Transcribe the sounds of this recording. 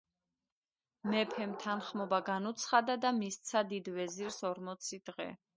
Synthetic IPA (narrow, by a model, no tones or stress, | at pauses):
mɛpʰɛmt̪ʰanχmɔbaɡanut̪sʰχad̪ad̪amist̪sʰad̪id̪vɛziɾsɔɾmɔt̪sʰid̪̥ʁɛ̰